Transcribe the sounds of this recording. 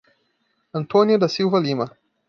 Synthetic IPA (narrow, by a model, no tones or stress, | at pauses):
ɐnt̪ʰoːnijɐd̪ɐsivɐliːmɐ